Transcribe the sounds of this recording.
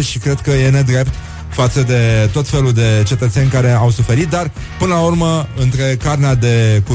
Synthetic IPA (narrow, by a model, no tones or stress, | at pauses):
ʃikɾe̞d̪kəje̞ne̞d̪ɾe̞pt̪ | fat̪səd̪e̞t̪o̞t̪fe̞luld̪e̞t͡ʃe̞t̪ət̪se̞nʲkaɾe̞awsufe̞ɾit̪̚d̪ar | pɨnəlaurməɨnt̪ɾe̞karnead̪e̞ku